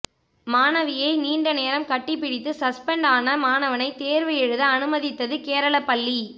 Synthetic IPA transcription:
maːnɐʋɪjɐɪniːɳɖɐneːɾɐmkɐʈːɪpːɪɽɪt̪ːɯsɐspɛɳɖaːnɐmaːnɐʋɐnɐɪt̪eːɾʋɐjɛɻɯðɐɐnɯmɐðɪt̪ːɐðɯkeːɾɐɭɐpːɐɭːi

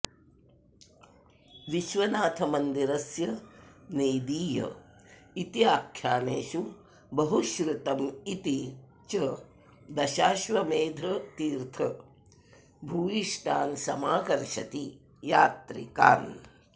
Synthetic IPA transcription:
ʋiʃʋɐnaːt̪ʰɐmɐnd̪iɾɐsjɐnejd̪iːjɐ̰it̪iaːkʰjaːneːʃu | bɐɦuʃɾut̪ɐmit̪i | t͡ʃɐ | d̪ɐʃaːʃʋɐmeːd̪ʱɐt̪iːɾt̪ʰɐ | bʱuːʋiʃʈʰaːnsɐmaːkɐɾʃɐ̰t̪i | jaːt̪ɾḭka̰ːn

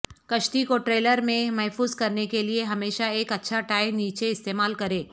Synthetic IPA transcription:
kɐʃʈikoʈɾeːləɾmẽmɛɦfuːzkɐɾnekelieɦɐmeːʃaeːkɐtːʃʰaʈaːɪmniːt͡ʃeɪst̪eːmaːlkɐɾẽː

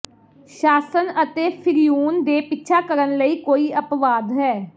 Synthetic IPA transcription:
ʃaːsənət̪eːpʰɪɾijuːnd̪eːpɪtːʃʰaːkəɾənləiːkoːiːəpʋaːd̪ɦɛː

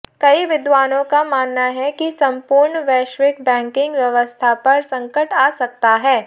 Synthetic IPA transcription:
kɐiʋɪd̪ʋaːnõkamaːnːaɦɛkisɐ̃mpʊɾɳʋɛːʃʋɪkbɛ̃ːŋkɪ̃ŋɡʋjɐʋəst̪ʰapɐɾsɐ̃ŋkəʈaːsɐk̚t̪aɦɛː

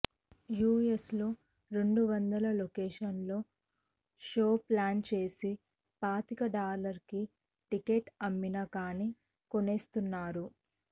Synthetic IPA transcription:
juːesloː | ɾe̞ɳɖuʋɐnd̪ɐlɐlokeːʂɐnlo̞ː | ʂo̞ːplaːnt͡ʃe̞ːsi | paːt̪ikɐɖaːlɐɾki | ʈike̞ːʈɐmːinɐkaːni | koneːst̪unːaːɾu

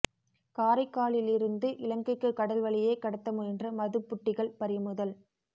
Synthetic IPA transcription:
kaːɾɐɪkːaːɭɪlɪɾɯnd̪ɯʔɪlɐŋɡɪkːɯkːɐɽɐlʋɐɭɪjeːkɐɽɐt̪ːɐmɯɛndrɐmɐðɯpːʊʈːɪɣɐɭpɐɾɪjmʊðɐl

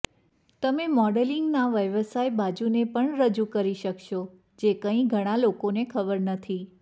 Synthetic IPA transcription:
t̪əmemɔɖəliŋɡnaʋəjʋəsajbad͡ʒunepəɳɾəd͡ʒukəɾiʃəkʃo | d͡ʒekə̃ĩɡʱəɽ̃alokonekʰəbəɾnət̪ʰi

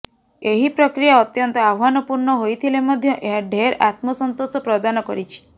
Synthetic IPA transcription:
eɦipɾɔkɾijaɔt̪jɔnt̪ɔabʱanɔpuɾɳɔɦojt̪ʰilemɔd̪ʱjɔʔeɦaɖʱeɾa̰t̪mɔsɔnt̪osɔpɾɔd̪anɔkɔɾit͡ʃʰi̥

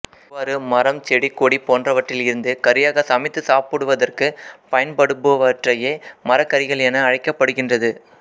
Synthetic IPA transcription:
ʋaːɾɯmɐɾɐmt͡ʃɛɽikːoːɽipːoːndrɐʋɐʈrɪlɪɾɯnd̪ɯkɐɾɪjaːɣɐsɐmɪt̪ːɯsaːpɯɽɯʋɐðɐrkɯpɐjɐnpɐɽɯpːɯʋɐʈrɐjeːmɐɾɐkːɐɾɪɣɐɭɛnɐːɻɐɪkːɐpːɐɽɯɣɪndrɐðɯ

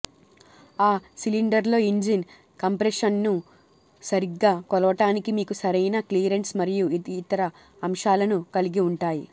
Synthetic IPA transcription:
aːsiliɳɖɐɾlo̞ːind͡ʒin | kɐmpɾeʂɐnːu | sɐɾiɡːaːkɔlɐʋɐʈaːnikimiːkusɐɾɐjnɐkliːɾeɳʈsmɐɾijuiːt̪ɐɾɐ | ɐmʂaːlɐnukɐliɡiuɳʈaːji

